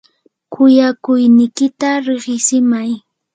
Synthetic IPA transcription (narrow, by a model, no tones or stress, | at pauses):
kʰʊjakʊjnɪjkɪt̪aɾɪχɪsɪmaj